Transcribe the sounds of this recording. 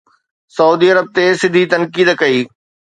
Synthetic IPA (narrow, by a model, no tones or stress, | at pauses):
sɐuːd̪iɐɾəb̚t̪esɪ̃d̪ʱit̪ɐnkiːd̪kɐiː